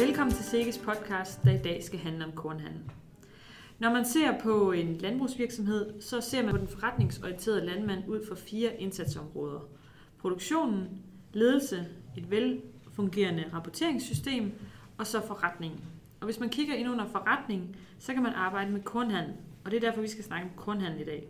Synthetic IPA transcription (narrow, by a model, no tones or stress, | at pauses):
ʋelkʰɒ̽m̰n̩t͡sʰe̝lse̝ːɡ̥əspʰɒ̽d̥kʰɑ̈ːsd̥ːɑ̈id̥ɛ̰ːsɡ̥æɦænləɒ̽mkʰɔːnɦæn̰n̩ | nɒmænse̝̰ɐpʰɒ̽e̝nlænb̥ʁusʋiɐɡ̥sɒ̽mɦe̝ð̞̰ˠsɒ̽se̝ɐ̰mæɒ̽d̥enfɒʁɑ̈d̥ne̝ŋsɒənt͡sʰe̝ːɐð̩ˠlænmæn̰uð̞̰ˠfɒ̽fiːɐʔe̝nsæd̥sɒ̽mʁɔ̽ːð̞ˠɐ | pʰʁoɾ̥oɡ̥ɕo̝̰ːnn̩ | le̝ːð̞ˠl̩səe̝d̥ʋelfɔ̽ŋɡ̥e̝̰ːɐnəʁɑ̈pʰɒt͡sʰe̝ɐ̰e̝ŋsːysd̥e̝̰ːm | ɒ̽sɒ̽fɒ̽ʁɑd̥ne̝ŋn̩ | ɒ̽ʋe̝smænkʰiɡ̥ɐe̝nɔ̽n̰ɐfɒ̽ʁɑd̥ne̝ŋn̩ | sɒ̽kæmænʔɑ̈ːb̥ɑ̈ɪ̰d̥əmekʰɔːnɦæn̰l̩ɒ̽d̥e̝ɐd̥æɐfɒ̽ʋisɡ̥æsnɑ̈ɡ̥əɒ̽mkʰɔnɦæn̰l̩id̥ɛ̰ː